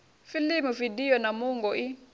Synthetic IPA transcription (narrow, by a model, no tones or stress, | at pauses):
filimuvidijɔnamuŋɡɔʔi